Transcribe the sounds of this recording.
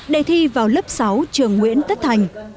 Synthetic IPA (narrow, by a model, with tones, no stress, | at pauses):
ɗe˨˩t̪ʰi˧vaː˨˩wlə˦˥p̚sa˨˦wt͡ɕɨ˨˩əŋːwḭ˧˥ənt̪ə˦˥t̚t̪ʰa˨˩jŋ̟